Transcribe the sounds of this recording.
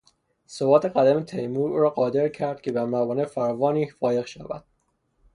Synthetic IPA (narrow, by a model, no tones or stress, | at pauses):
sobɒːt̪ʰeɢæd̪æmet̪ʰejmuːɾuːɾɒːɢɒːd̪e̞ɾcʰæɾd̪̥̚cʰebæmæbɒːnefæɾvɒːniːfɒːje̞ɣʃævæd̪̥